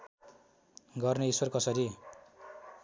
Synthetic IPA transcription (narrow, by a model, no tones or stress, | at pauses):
ɡʌrneiswʌrkʌsʌɾi